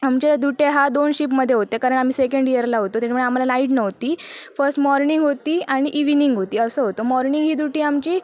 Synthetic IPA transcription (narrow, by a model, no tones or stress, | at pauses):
amt͡ɕed̪uʈeɦad̪onɕiːpməd̪ʱːjeɦot̪ekaɾəɳ̃am̤iːsekəɳɖijəɾlaɦot̪ot̪jat͡ɕʰmuɳeam̤alanaiʈnəɦt̪iːfəɾsʈmɔɾniŋɡɦot̪iːaɽ̃iʔiʋniŋɡɦot̪iːəsəːɦot̪omɔɾniŋɡɦiːd̪uʈiːamt͡ɕiː